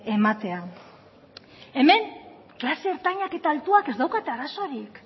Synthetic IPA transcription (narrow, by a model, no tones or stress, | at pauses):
emat̪e̞a | e̞me̞ŋ | klase̞ːɾt̪aɲake̞t̪aːlt̪uake̞zd̪awkat̪eaɾaso̞ɾik